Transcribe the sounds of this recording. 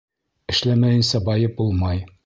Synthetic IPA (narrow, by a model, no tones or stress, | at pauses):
ɘ̆ʃlæmæjɘ̆nsɑbɒjɤp̚bulˠmɑj